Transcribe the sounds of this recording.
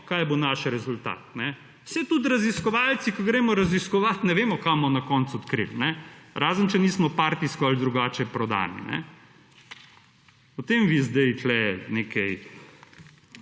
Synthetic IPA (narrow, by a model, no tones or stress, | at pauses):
kaːjbonaʃɾɛzult̪a̰ːt̪nɛ | wsɛt̪ut̪ɾɐziskɔʋalt̪sikɔɡɾɛmɔɾɐziskɔʋat̪nɛʋeːmɔkamɔnakɔːnt̪suɔt̪kɾḭlnɛɾaːzənt͡ʃɛniːsmɔpaːɾt̪iskɔald̪ɾuɡaːt͡ʃɛpɾɔd̪a̰ːnḭnɛ̰ | pɔt̪eːmʋizd̪ɛjtlɛneːkɛj